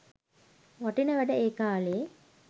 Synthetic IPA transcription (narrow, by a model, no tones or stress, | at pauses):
ʋaʈinəʋæɖəeːkaːleje